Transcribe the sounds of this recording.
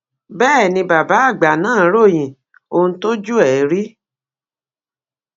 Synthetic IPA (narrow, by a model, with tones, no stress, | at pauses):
bɛː˦˨nĩ˧ba˨ba˨˦a˦˨ɡ͡ba˨nãː˦˨˦ɾo˦˨j̃ĩ˨ | o˧ũ˧˦to˦d͡ʒu˦ɛ˨˦ɾi˦